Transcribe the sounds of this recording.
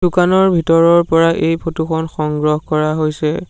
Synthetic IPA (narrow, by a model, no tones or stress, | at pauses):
dukanɔɹbʱitɔɹɔɹpɔɹaʔejpʰotuxʰɔnxɔŋɡɹɔɦkɔɹaɦojsɛ